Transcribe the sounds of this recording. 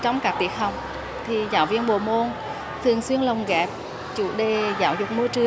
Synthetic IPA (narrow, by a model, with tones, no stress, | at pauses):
t͡ɕɔ˧wŋ͡mkaː˧˥k̚t̪i˧˩ək̚hə˨˩wŋ͡m | t̪ʰi˨˩zaː˨˦wvi˧ənɓo̰˧˨˩mo˧n | t̪ʰɨ˨˩əŋswi˧ənlə˨˩wŋ͡mɣaː˨˩t̚ | t͡ɕṵ˧˩ɗe˧˨˩zaː˧˦wzʊ˨˩k͡p̚mu˧t͡ɕɨ˧